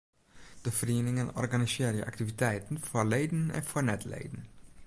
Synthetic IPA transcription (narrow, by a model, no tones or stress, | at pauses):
d̥əfriːnɪŋənɔ̰rɡɑniseːɾjə̰ʔɑ̰k̚t̪ivit̪ɛjt̪ən̩fɔɹleɪdən̩ɛ̰nfɔɹnɛt̪lḛɪdn̩